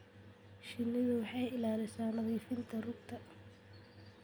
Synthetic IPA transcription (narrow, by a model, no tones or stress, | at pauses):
ʃɪnːɪðʊwɑħɑjɪlaːlɪsaːnɐɣiːfɪnt̪ʰɐrʊɡt̪ʰɐ